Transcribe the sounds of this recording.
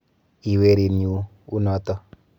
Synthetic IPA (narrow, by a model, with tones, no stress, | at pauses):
i˨we˦ɾi˨nu˦ | u˦nɔ˨˦t̪ɔ˦